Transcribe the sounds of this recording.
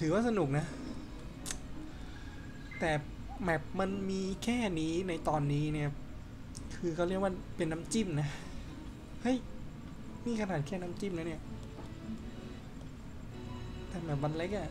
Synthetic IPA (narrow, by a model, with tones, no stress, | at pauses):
t̪ʰɯː˩˦waː˥˩sa˧nu˨˩k̚na˦˥ | t̪ɛː˨˩ | bɛː˨˩p̚ma˧nmiː˧kʰɛː˥˩niː˦˥na˧jt̪ɔː˧nːiː˦˥ni˥˩ɐ | kʰɯː˧kʰːɾi˥˩ək̚waː˥˩pe˧nːa˦˥mt͡ɕi˥˩mna˦˥ | ha˥˩j | miː˧˩kʰa˧naː˨˩˦nkʰɛː˥˩na˦˥mt͡ɕi˥˩mnaː˦˥ni˥˩ɐ | t̪ɛː˨˩bɛː˨˩p̚ba˧nle˦˥k̚a˧˩